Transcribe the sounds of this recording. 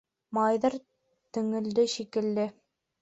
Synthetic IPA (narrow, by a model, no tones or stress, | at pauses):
mɑjðɑɾ | t̪ɵ̆ŋɘ̆ld̪ɘʃikɘ̆lːɘ